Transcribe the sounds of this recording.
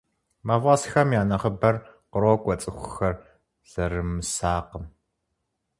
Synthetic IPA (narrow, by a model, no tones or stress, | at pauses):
mavʁɐsxɐmjaːnɐχəbɐrqəɾoːkʷʼɔt͡sʼɨxʷʊxɐr | z̥ɐɾɨmɨsaːqəm